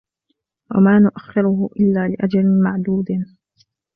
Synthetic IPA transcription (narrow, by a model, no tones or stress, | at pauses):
wa̰maːnʊʔaxːɪɾʊhʊʔɪlːaːlɪʔad͡ʒalɪmaʕd̪uːd̪